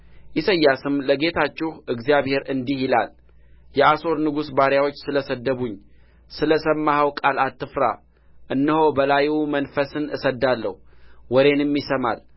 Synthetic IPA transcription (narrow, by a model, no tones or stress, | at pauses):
ʔisəjːasɨmləɡe̞t̪ʰat͡ʃːɪhʔɨɡzijaβhe̞ɾɨnd̪ihɪla̰l | jɛaso̞ɾnɨɡusbaɾjawo̞t͡ʃːsɨləsəd̪ːəβuɲː | sɨləsəmːahawkʼalat̪ːɨfɾa̰ | ʔɨnːɨho̞bəlajumənfəsɨnɨsəd̪ːalːə̰huwɔɾe̞nmːisəma̰l